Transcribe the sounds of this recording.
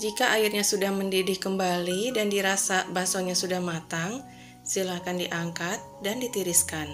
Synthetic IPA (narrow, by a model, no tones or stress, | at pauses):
d͡ʒikaʔairɲasudahməndidɪhkəmbalidandiɾasabasoɲasudahmat̪aŋ | silakandiʔaŋkat̪̚dandit̪iɾiskan